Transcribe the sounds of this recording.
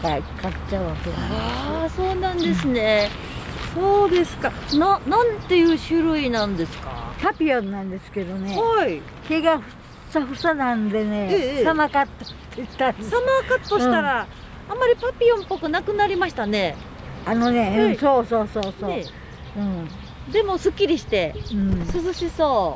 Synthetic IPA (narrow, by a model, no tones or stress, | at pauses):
kaikḁt͡ɕaɯ̟βaked̪aso̞ːnãnd̪e̞sɨne̞ | so̞ːd̪e̞sɨ̥kanãnãnt̪e̞jɯ̟ːɕɨɾɯ̟inãnd̪e̞sɨ̥ka̰papʲiõnːãnd̪e̞sɨ̥ke̞d̪o̞ne̞ai | ke̞ɡaɸɯ̟̥ | saɸɯ̟sanãnd̪e̞ne̞ssamakat̪ːo̥ | t̪ːei̥t̪ãsamakat̪ːoɕit̪aɾa | ãmːaɾʲipapʲiõmpːo̞kɯ̟nakɯ̟naɾʲimaɕi̥t̪ane̞ | ano̞ne̞ɯ̃soːso̞ːsoːsoː | ɯ̟̃ | d̪e̞mo̞sɨkʲːiɾʲiɕi̥t̪e̞ɯ̟̃sɨzɨɕisoː